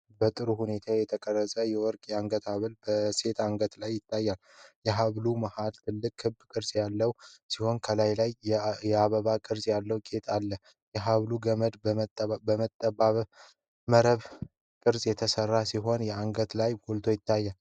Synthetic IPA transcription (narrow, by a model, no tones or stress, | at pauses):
bət̪ʼɨɾuhune̞t̪ʰajɛt̪ʰəkʼərːəsʼəjɛwɔɾkʼaŋɡət̪ʰaβɨlbəse̞t̪aŋɡət̪lajːɪt̪ʰːajːal | jɛɦaβlumahalt̪ʰɨlːɨkʼhɨbːkʼɨɾsʼjalːəwsiho̞nkʰəlajlajjɛaβəβakʼɨɾzʼjalːəwkʼe̞t̪ʼalːə | jɛɦaβluɡəməd̪tbəmət̪ʼːəbaβ | məɾəβ | kʼɨɾzʼjɛt̪ʰəsərːasiɦo̞njɛaŋɡət̪lajɡolt̪ʰo̞jɪt̪ːajːal